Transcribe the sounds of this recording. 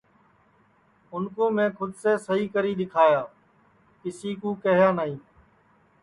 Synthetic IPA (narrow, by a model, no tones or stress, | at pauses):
ʊnkõːmẽːkʰʊd̪seːsəɦiːkəɾiːɗ̪ɪkʰaːjaː | kɪsiːkuːkəɦjãːnaːɦĩː